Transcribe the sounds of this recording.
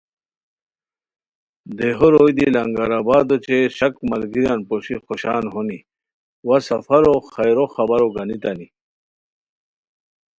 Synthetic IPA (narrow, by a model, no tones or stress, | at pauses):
d̪eɦoɾojd̪ilɐŋɡaɾabaːd̪ot͡ɕeɕɐkmɐlɡiɾjanpoɕixoɕaːnɦoni | wasɐfɐɾoxajɾoxɐbaɾoɡɐnit̪ani